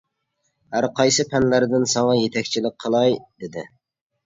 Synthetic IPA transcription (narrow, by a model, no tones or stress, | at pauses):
hæɾqʰɑjsɨpʰɛnlæɾd̪ɪnsɑŋɑjet̪ʰɛkʲt͡ʃʰilɪk̚ʲqʰəlˠɑjd̪ɪd̪ɪ